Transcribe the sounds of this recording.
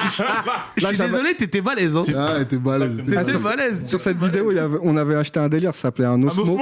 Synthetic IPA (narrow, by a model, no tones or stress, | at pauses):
laiʒaevɔlet̪et̪ɛbalɛzɛ̃aet̪ɛbalɛzt̪easmalɛzsyʁsɛt̪vid̪eoiljavɛɔ̃navɛaʃt̪eɛ̃d̪eliʁsasaplɛɛ̃not̪mo